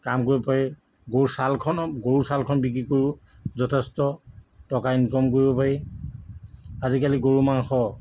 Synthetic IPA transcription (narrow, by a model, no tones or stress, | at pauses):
kamkoɹibɔpaɹi | ɡosalkʰɔnɔɡoɹusalkʰɔnbikɹikoɹiʊ | zɔtʰɛstɔtɔkainkɔmkoɹibɔpaɹi | azikaliɡoɹumaŋxɔ